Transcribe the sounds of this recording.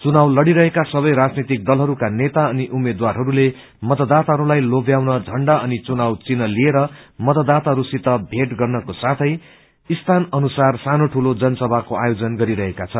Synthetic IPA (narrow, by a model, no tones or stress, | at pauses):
t͡sunawlʌɽiɾʌɦekasʌβʌjɾad͡znit̪ik̚d̪ʌlɦʌɾukanet̪aʌniʔumed̪warɦʌɾule | mʌt̪ʌd̪at̪aɦʌɾulajlobjawnʌd͡zʱʌɳɖaʌnit͡sunawt͡sinʌlieɾʌmʌt̪ʌd̪at̪aɦʌɾusit̪ʌbʱeʈɡʌrnʌkosat̪ʰʌj | ist̪ʰanʌnusarsanoʈʰulod͡zʌnʌsʌbʱakoa̰jod͡zʌnɡʌɾiɾʌɦekat͡sʰʌn